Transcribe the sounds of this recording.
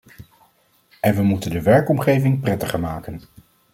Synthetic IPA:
ɛnʋəmutəndəʋɛɹkɔmχejvɪŋprɛtəχəɹmaːkən

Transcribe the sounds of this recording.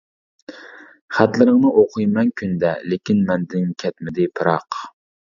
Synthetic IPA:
χæt̪lɨɾɨŋnɨʔoqʰɨjmɛŋkʲʰynd̪ɛlekʲinmɛnd̪ɪŋkʲʰɛt̪mɪd̪ɪpʰɨɾɑq

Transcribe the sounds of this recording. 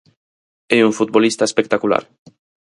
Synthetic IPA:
euŋfut̪̚bolist̪aespek̚t̪akula̰ɾ

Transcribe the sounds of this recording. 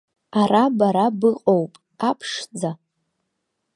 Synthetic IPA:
arabaɾabɨqʼowpʼ | apʰʂd͡za

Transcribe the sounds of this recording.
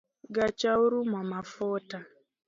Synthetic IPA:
ɡat͡ʃauɾumamafɔta

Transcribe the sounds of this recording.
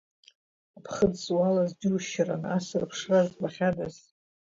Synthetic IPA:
apʰχədswalazdiuʃaranasɨrpʰʂrazbaχʲadaz

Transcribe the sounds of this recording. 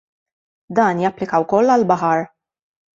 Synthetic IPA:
d̪ɐːnjɐpːlɪkɐwkɔlːɐlbɐħɐɾ

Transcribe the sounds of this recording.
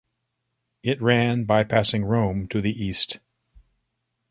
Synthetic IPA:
ɪt̚ɹæ̃nbaɪpʰæsɪ̃ŋɹõʊ̃mtʰɨðiʔist

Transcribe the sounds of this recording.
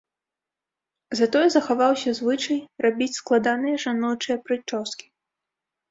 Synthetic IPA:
zat̪ɔjɛzɐxavawsʲɐzvɨt͡ʂɐjrabʲit͡sʲsklˠad̪anɨjɛʐanɔt͡ʂɨjɛpɾɨt͡ʂɔskʲi̥

